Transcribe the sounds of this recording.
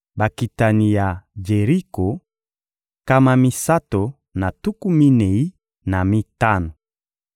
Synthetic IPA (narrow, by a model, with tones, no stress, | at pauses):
ba˨ki˨ta˨ni˨ja˨d͡ʒe˨ʁi˦ko˨ | ka˦ma˦mi˦sa˦to˨ | na˨tu˦ku˦mi˦ne˨i˦ | na˨mi˦ta˦no˨